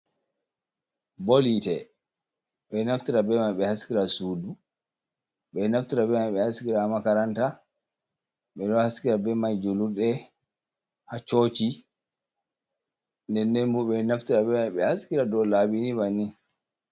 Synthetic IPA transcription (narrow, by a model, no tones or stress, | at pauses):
bolitɛ | ɓɛnaftiɾabɛmajɓɛhaskiɾasuːdu | ɓɛnaftiɾabɛmajɓɛhaskiɾamakaɾanta | ɓɛɗɔhaskiɾabɛmajd͡ʒoluɾɗɛ | hat͡ʃot͡ʃi | ndɛnːɛmbuɓɛnaftiɾabɛmajɓɛhaskiɾadɔlabinibani